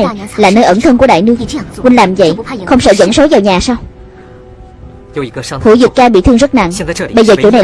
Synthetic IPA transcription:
jlaː˨˩nəː˧jʔə˧˩nt̪ʰə˧nku˧˩əɗa̰ː˧˨jnɨ˦˥əkkwi˧nlaː˨˩mzə̰˧˨jxə˧wŋ͡msə̰ː˧˩zə̰˧˥˩nso˨˦vaː˨˩wɲaː˨˩saː˧w | hṵ˧˥˦zɨ˨˩t̚kaː˧ɓḭ˧˨t̪ʰɨ˧əŋzə˦˥t̚na̰˧˨ŋ˨ɓə˧jzəː˨˩t͡ɕo̰˧˩˦na˨˩

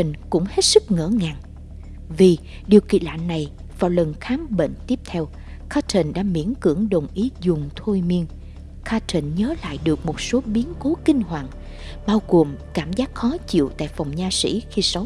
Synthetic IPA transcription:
ə˨˩ŋ̟kʊ̰˧˥ŋ͡mhe˦˥t̚sɨ˦˥k̚ŋə̰ː˧˩ŋaː˨˩ŋ | vi˨˩ | ɗi˨˩əwkḭ˧˨la̰ː˧˨nːa˨˩j | vaː˨˩wlə˨˩nxaː˨˦mɓḛ˧˨ŋ̟t̪i˦˥əp̚t̪ʰɛ˧w | kaː˦˥t͡ɕə˨˩nɗa̰ː˧˥mḭ˧˩˥ənkɨ˧˩əŋɗo˨˩nʔi˨˦zʊ˨˩ŋ͡mt̪ʰo˧jmi˧ən | kʰaː˧˥t͡ɕə˨˩nɲəː˨˦la̰ː˧˨jɗɨ˨˩ək̚mo˨˩t̚so˨˦ɓi˨˦ənko˨˦kï˧ŋ̟hwa̰ː˧˨n | ɓaː˧wɣo˨˩mkaː˧˩mzaː˦˥k̚xɔ˨˦t͡ɕḭ˧˨wt̪a̰ː˧˨jfa˨˩wŋ͡mɲaː˧sḭ˧˥xi˧sə˨˦w

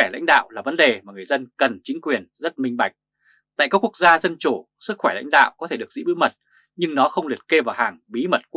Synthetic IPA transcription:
wɛ˧˩la̰˧˥jŋ̟ɗa̰ː˧˨wʔlaː˨˩və˨˦nɗe˨˩maː˨˩ŋɨ˨˩əjzə˧nkə˨˩nt͡ɕï˨˦ŋ̟kwi˨˩ənzə˦˥t̚mï˧ŋ̟ɓa˨˩jk̟̚ | t̪a̰ː˧˨kaː˦˥ku˦˥ək̚zaː˧zə˧nt͡ɕu˧˩ | sɨ˦˥k̚xwɛ˧˩la̰˧˥jŋ̟ɗa̰ː˧˨wkɔ˨˦t̪ʰe˧˩ɨ˨˩əkzḭ˧˥ɓɨ̰˧˥mə˨˩t̚ | ɲɨ˧ŋnɔ˨˦xə˧wŋ͡mli˨˩ət̚ke˧vaː˨˩haː˨˩ŋɓi˨˦mə˨˩t̚k

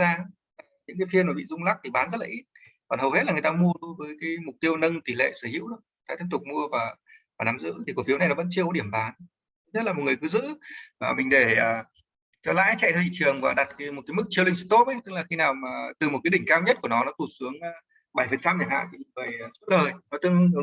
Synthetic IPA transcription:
zaː˧˨˩ | ɲɨ̰˧˥ŋkaː˨˦jfi˧ənmaː˨˩ɓḭ˧˨zʊ˧ŋ͡mla˦˥k̚t̪ʰi˨˩ɓaː˨˦nzə˦˥t̚laː˨˩ʔi˦˥t̚ | kɔː˨˩nhɦə˨˩whe˦˥tlaː˨ŋ˨˩t̪aː˧mu˧ə˧vəː˨˦jkaː˨˦jmʊ˨˩k͡p̚t̪i˧əwnə˧nt̪i˨˩lḛ˧˨səː˧˩hḭ˧˥əwʔɨ˦˥ək̚t̪aː˧t̪i˧˥əŋt̪ʊ˨˩k͡p̚mu˧əvaː˨˩vaː˨˩naː˨˦mzɨ̰˧˥t̪ʰi˨˩ku˧˩fi˨˦na˨˩nɔ˨˦və̰˧˥nt͡ɕi˧əkɔ˨˦ɗi˧˩əmɓaː˨˦n˧˦ | ɲə˦˥t̚la˨˩mo˨˩t̚ŋ˨˩kɨ˨˦zɨ̰˧˥vaː˨˩mï˨˩ŋ̟ɗe˧˩əː˨˩ | t͡ɕɔ˧la̰ː˧˥jt͡ɕa̰˧˨j̪tʰɛ˧wt͡ɕḭ˧˨t͡ɕɨ˨˩əŋvaː˨˩ɗa˨˩t̚kːjmo˨˩kaː˨˦m˦ɨ˦˥k̚t͡ɕi˧əwlï˧ŋ̟st̪o˦˥p̚ʔə˨˦jt̪ɨ˦˥k̚laː˨˩xi˧naː˨˩wmaː˨˩t̪ɨ˨˩mo˨˩t̚kːa˨˦ɗï˧˩ŋ̟kaː˧wɲə˦˥t̚ku˧˩ənɔ˨˦nɔ˨˦t̪u˧˩sɨ˨˦əŋː˧ | ɓa˧˩jfə˨˩nt͡ɕa˧mɲa˨˩ha̰ː˧˨t̪ʰi˨˩˨ŋɨː˨˩əjt͡ɕu˦˥t̚ləː˨˩jnɔ˨˦t̪ɨ˧əŋ˧˦

